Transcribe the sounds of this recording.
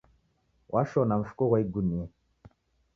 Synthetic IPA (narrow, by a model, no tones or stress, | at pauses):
wʔaʃɔnaɱ̩fu̥koɣaiɡunie